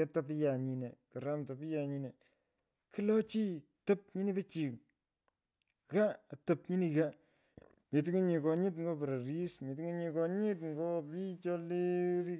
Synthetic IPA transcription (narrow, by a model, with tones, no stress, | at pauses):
e˦ta˦pɪ˦ja˨ɲi˨ne˨ka˨ɾa˦mta˨pi˦ja˨ɲi˦ne˨ | ki˦lɔ˦t͡ʃi˦ | tɐ˦p̚ɲi˦ni˦be˦t͡ʃi˨k | ka˦˨tɐ˨pɲi˦ni˨ka˦ | mi˨tɪ˦ŋi˦ɲi˨kɔ˨ɲɪ˦t̬ŋɡo˦pɾa˨ɾi˦smi˨t̬i˦ŋe˦ɲi˨kɔ˨ɲɪ˦tŋɡɔ˦pi˦t͡ʃɔ˦le˦ɾi˦